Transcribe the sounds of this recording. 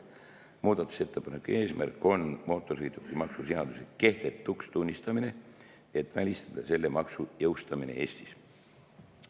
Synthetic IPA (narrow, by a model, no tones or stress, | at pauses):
muːd̪̥ɑt̪ːˑu̥se̞t̪ʰːe̞pɑnekːˑue̞ːsmæ̰rkːo̞nmo̞ːt̪ːˑo̞rshejt̪ukːˑimɑksuseɑd̪useke̞ht̪e̞t̪ːˑukst̪unʲːist̪ɑmine̞ | et̪ːˑvælʲist̪ɑd̪̥ɑse̞lːemɑksujɤwst̪ɑmine̞̰e̞ːst̪i̥s